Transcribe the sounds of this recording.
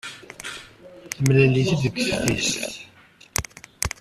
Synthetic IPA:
θəmlæliθæðəɡθθist̪

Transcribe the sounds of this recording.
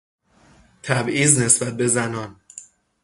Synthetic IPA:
t̪ʰæbʔiːzne̞sbæt̪̚be̞zænɒːn

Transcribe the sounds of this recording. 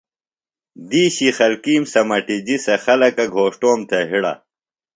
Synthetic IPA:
d̪iːɕixɐlkiːmsɐmɐʈid͡ʑisɐxɐlɐkɐɡʱoːʂʈoːmt̪ʰeɦiɽɐ̰

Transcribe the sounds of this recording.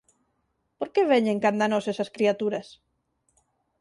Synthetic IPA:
poɾkeβeɲẽŋkand̪anosesɐskɾiat̪uɾɐs

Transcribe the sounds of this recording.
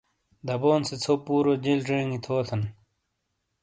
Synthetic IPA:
d̪ɐboːnset͡sʰoːpuːɾod͡ʑelʈ͡ʂeːŋit̪ʰoːt̪ʰɐn

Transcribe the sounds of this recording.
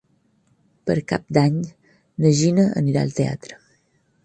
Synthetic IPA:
pəɾkap̚d̪aɲ | nəʒinəə̰niɾa̰ə̰lˠt̪ea̰t̪ɾə

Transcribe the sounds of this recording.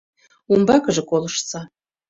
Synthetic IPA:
umbɑkɤʒĕkolˠɤʃt͡sɑ

